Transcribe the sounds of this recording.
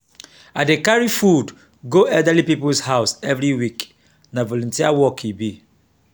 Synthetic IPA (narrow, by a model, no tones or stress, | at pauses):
adekaɹifud | ɡoɛldalipipulshaʊsɛvɹiwik | navɔlɔ̃ntiawɔkʰibi